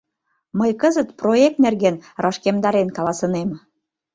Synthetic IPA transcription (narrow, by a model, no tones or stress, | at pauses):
məjkəzət̪proek̚t̪̚nerɣenrɑʃkemd̪ɑɾenkɑlɑsɤ̆nem